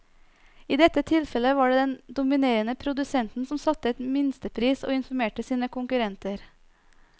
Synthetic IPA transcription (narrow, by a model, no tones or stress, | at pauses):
iːd̪ɛt̪ət̪ʰɪlfɛləʋɑːɖeːd̪ɛnd̪ʊmɪneːɾənəpʰɾʊd̪ʉsɛnt̪n̩sɔmsɑt̪əɛt̪mɪnst̪əpʰɾiːso̰ːɪnfɔmeːʈəsiːnəkʊŋkʉɾɛnt̪əɾ